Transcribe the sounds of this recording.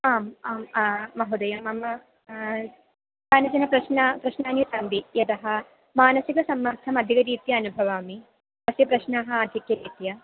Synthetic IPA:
aːmaːmːɐɦud̪ɐjɐmɐmɐ | t̪aːnɐt͡ʃɐnɐpɾɐʃnɐpɾɐʃnaːnjusɐnd̪ijɐt̪ɐɦɐ̆ | maːnɐsikɐsɐmːɐɾt̪ʰːɐmɐd̪ʱikɐɾiːt̪jɐːnubʱɐʋaːmi | pɐsjɐpɾɐʃnaːɦɐaːd̪ʱikjɐɾiːt̪jɐ

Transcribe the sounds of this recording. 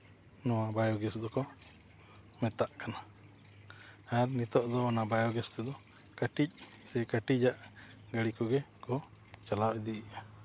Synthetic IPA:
nɔwabajɔɡɛsd̪ɔkɔ | mɛt̪aʔkana | aɾnit̪ɔʔd̪ɔɔnabajɔɡɛst̪ɛd̪ɔ | kaʈic̚ | sɛkaʈid͡ʒaʔɡaɽikɔɡɛkɔ | t͡ʃalawɛd̪iʔɛʔa

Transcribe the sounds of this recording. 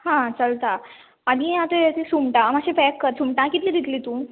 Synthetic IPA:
hãt͡səlt̪a | ad̪ĩat̪et̪esumʈãmaɕẽfɛkːəɾsumʈãkit̪liːd̪it̪lit̪ũ

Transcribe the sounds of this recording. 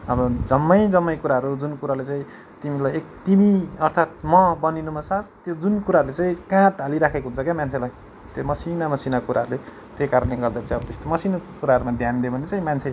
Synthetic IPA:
ʌbʌd͡zʌmːʌjd͡zʌmːʌjkuɾaʌɾud͡zunkuɾalet͡saĩ | t̪imilajek̚t̪imiʌrt̪ʰat̪̚mʌbʌninumasast̪jod͡zunkuɾaɦəɾulet͡saĩkãt̪aliɾakʰekoɦunt͡sʰʌkjamant͡sʰelaj | t̪jomʌsinamʌsinakuɾaɦʌɾule | t̪jejkaɾʌnleɡʌrd̪aɾt͡saĩʌbʌt̪est̪omʌsinkuɾaɦʌɾumad̪ʱjand̪jobʌnet͡sãĩmant͡sʰe

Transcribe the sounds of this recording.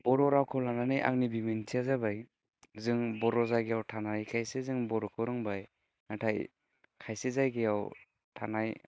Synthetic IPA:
bɔɾɔɾawkʰɔlananɯjʔa̰ŋnibimintʰiazabaj | zɯŋbɔɾɔzajɡejawtʰanajkʰajsezɯŋbɔɾɔkʰɔɾɯŋbaj | natʰaj | kʰajsezajɡejaw | tʰanaj

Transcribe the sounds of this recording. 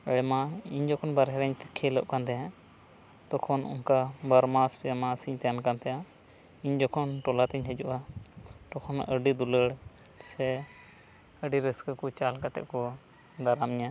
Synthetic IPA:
əɽɛmaiɲd͡ʒɔkʰɔnbaɾɦɛɾəɲt̪ɛ̥kʰːɛləʔkant̪ɛjã | t̪ɔkʰɔnṵŋkabaɾmaspɛamasiɲt̪ɛjankant̪ɛjã | iɲd͡ʒɔkʰɔnʈɔlat̪ɛɲɦɛd͡ʒuʔat̪ɔkʰɔnəɖid̪uləɽ | sɛ | əɖiɾəskəkɔt͡ʃalkat̪ɛ̰ʔkɔ | d̪aɾamɲa

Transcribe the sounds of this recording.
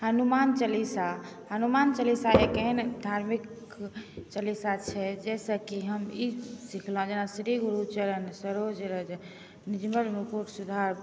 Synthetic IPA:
hənumant͡ʃəlisaɦənumant͡ʃəlisaekend̪ʱaɾmik | t͡ʃəlisat͡ʃʰɛd͡ʒɛsəkiɦəmisikʰlõd͡ʒenasɾiɡuɾut͡ʃəɾənsəɾod͡ʒɾəd͡ʒ | nid͡ʒməlmukuʈsud̪ʱaɾ

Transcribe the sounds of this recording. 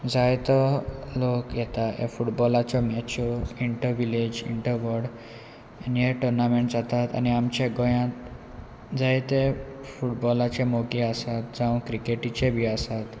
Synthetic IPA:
d͡zajt̪ɔlokjɛt̪aḛfuʈbɔlat͡ɕɔmɛt͡ɕoiɳʈəɾʋiled͡ʑiɳʈəɾʋɔɽ | neʈəɾnameɳʈzat̪at̪a̰niamt͡ɕeɡɔjãt̪ | d͡zajt̪efuʈbɔlat͡ɕemoɡiasat̪̚d͡zãwkɾikeʈit͡ɕebʱiasat̪

